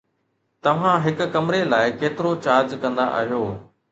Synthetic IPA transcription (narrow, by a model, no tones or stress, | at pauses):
t̪ɐʋ̤ãɦɪkkɐmɾelaːɪkeːt̪ɪɾot͡ɕaːɾd͡ʑkɐ̃nd̪a̰ʔɐ̰ɦijoː